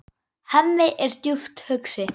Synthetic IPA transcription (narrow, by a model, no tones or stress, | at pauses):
hɛnːɪʔɛɾ̥st̪jʏft̪hœksɪ